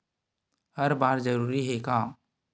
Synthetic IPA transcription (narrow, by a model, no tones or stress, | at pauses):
həɾbaːɾd͡ʒəɾuːɾiɦekaː